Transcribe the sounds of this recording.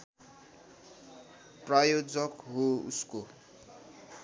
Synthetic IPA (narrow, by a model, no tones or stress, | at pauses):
prajod͡zʌkɦoṵsko